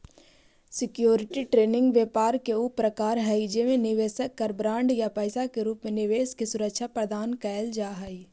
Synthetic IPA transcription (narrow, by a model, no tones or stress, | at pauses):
sɪkjoːɾɪʈiʈɾeːnɪ̃ŋɡʋjɛːpaːɾkeʊpɾɐkaːɾɦɛid͡ʒemẽnɪʋeːsəkːɐɾbɾãːɳɖjapəːsakeɾuːpmẽnɪʋeːskesʊɾəkʃʰapɾəd̪aːnkɛːld͡ʒaːɦai